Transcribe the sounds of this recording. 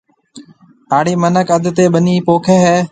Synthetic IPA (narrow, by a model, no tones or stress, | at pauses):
aːɽiːmənəkəd̪ʱt̪eːɓəniːpoːkʰeːɦɛː